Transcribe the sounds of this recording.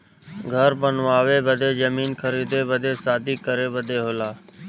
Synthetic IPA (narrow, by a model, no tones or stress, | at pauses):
ɡʱəɾbənʋaːʋeːbəd̪eːd͡ʒəmiːnkʰəɾiːd̪eːbəd̪eːsaːd̪ʱiːkəɾeːbəd̪ʱeːɦoːlaː